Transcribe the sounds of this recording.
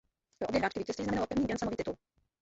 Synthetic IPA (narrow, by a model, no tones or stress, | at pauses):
oobjɛɦɾaːt͡ʃkɪviːcɛst̪viːznamɛnalopɾrvɲiːbjɛnsamoviːt̪ɪt̪ul